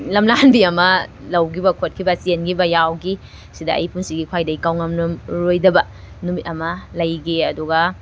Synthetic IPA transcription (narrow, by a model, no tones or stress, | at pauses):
lɐmlanbiɐmɐ | lɐwɡibɐkʰot̚kʰibɐsenɡibɐjawɡi | sidɐʔɐ̰jpunsiɡikʰwajdɐikawŋɐmlumɾojdɐbɐ | numit̚ɐmɐlɐjɡeɐduɡɐ